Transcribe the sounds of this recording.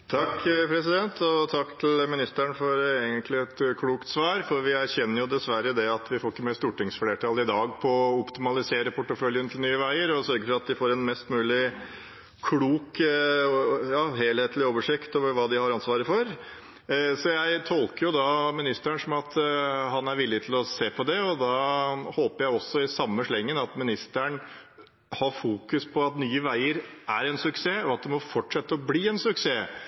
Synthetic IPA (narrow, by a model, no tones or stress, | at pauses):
t̪ʰɑkːpʰɾɛs̬ɪd̪ɛnt̪ɔt̪ʰɑkːt̪ʰɪlmɪnɪst̪æɳfɔɾeːɡənt̪ʰlɪɛt̪kʰɽuːkt̪sʋɑːɾfɔɾʋɪæɾçɛnːəɾjʊd̪ɛsʋæɾəd̪ɛɑt̪ʰʋɪfoːɾɪkːəmɛst̪uːʈɪŋsfleːʈʰɑːlɪd̪ɑːɡpʰɔɔpt̪ɪmɑlɪseːɾəpʰʊʈːəfœljənt̪ʰɪlnyːəʋæɪəɾɔsœɾɡəfɔɾɑt̪̚d̪ɪfoːɾɛnmɛst̪mʉːlɪ | kʰɽuːk | jɑːheːlheːt̪lɪoːʋəʂɪkt̪oːʋəɾʋɑːd̪ɪhɑɾɑnsʋɑːɾəfɔɾ | sɔjæɪt̪ʰɔlkəɾjʊd̪ɑmɪnɪst̪æɳʂɔmɑt̪hɑnæɾʋɪlːɪt̪ʰɪlɔseːpʰɔd̪ɛɔd̪ɑhoːpəɾjæɪɔsːɔɪsɑmːəʂɭɛŋːənɑt̪mɪnɪst̪æɳ | hɑɾfuːkʉspʰɔɑt̪nyːəʋæɪəɾʔæɾɛnsʉkseːɔɑt̪̚d̪ɛmɔfɔʈʂɛt̪ːəɔbliːɛnsʉkseː